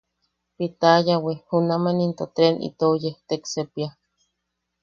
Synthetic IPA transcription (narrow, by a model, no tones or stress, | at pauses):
pit̪ajawihunamanint̪ot̪ɾenʔḭt̪ojeht̪eksepia